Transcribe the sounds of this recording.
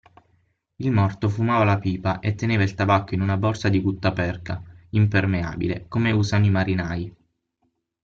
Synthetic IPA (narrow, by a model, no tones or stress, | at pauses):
ilmɔrt̪ofumaːvalapiːpaʔet̪ːeneːvailt̪abakːoinunabɔrsad̪ibut̪ːapɛrkaimpermea̰ːbḭlḛkomeusanimaɾinaːj